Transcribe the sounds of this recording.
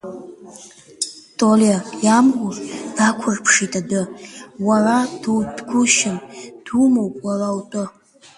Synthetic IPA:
tʼolajamrʷʊrd̥akʷʰʊrpʰʂitʼadɨwarad̥udɡʷʊʃɪnd̥umowpʼwarawtʼʊ

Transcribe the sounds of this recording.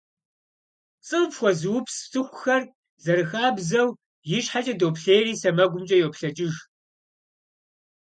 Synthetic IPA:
t͡sʼɨpxʷɔzɨwʊpstʰɨxʷʼʊxɐr | zɐɾɨxaːbzɐw | jɪɕħat͡ʃʼɐdopɬeːriːsɐmɐɡʷʊmt͡ʃʼɐjowpɬɐt͡ʃʼɪʒ

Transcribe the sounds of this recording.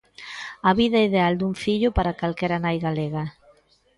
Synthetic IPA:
ɐβiðɐiðeald̪uŋfiʎʊpaɾakalkɛɾanajɣaleɣɐ

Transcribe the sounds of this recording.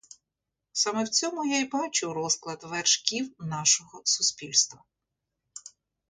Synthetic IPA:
sɑmɛwt͡sʲɔmʊjajbɑt͡ʃʊɾɔsklˠɐd̪ʋɛrʃkʲiwnɑʃɔɦɔsʊspʲilʲst̪ʋɐ

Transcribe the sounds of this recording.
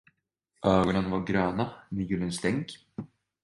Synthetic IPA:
ʔœːɡɔnanvaɾɡɾœːnaniːɡʏlənst̪ɛŋk

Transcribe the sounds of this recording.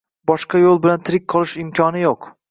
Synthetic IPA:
bɒʃqɑjolˠbɪlant̪ʰɪɾɪk̚ʲqʰɒlˠɪʃɪmkʲʰɒnɪjoq

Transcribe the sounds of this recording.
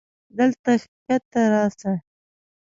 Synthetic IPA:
d̪əlt̪axkat̪ːaɾɑsa

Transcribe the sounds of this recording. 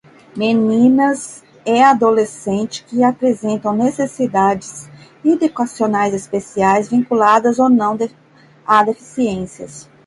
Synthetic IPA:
menĩnɐz | ɛad̪olesẽnt͡ʃɪ̥kɪapɾezẽnt̪ɐ̃w̃nesesid̪ad͡ʒɪz | id̪ekwasionajzespesiajzvĩkulad̪ɐzonɐ̃w̃d̪e | ad̪efi̥siẽsiɐ̰s

